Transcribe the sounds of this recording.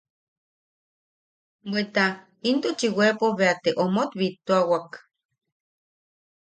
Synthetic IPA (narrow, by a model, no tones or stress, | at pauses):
bʷet̪a | int̪ot͡ʃiwepoβeat̪eʔomot̪βit̪ːoawak